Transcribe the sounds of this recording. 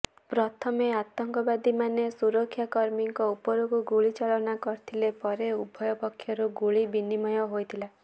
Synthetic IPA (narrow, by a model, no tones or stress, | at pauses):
pɾɔt̪ʰɔmeat̪ɔŋkɔbad̪imanesuɾɔkʰːjakɔɾmiŋkɔupɔɾukuɡuɭit͡ʃaɭɔnakɔɾit̪ʰilepɔɾeubʱɔjɔpɔkʰːjɔɾuɡuɭibinimɔjɔɦojt̪ʰila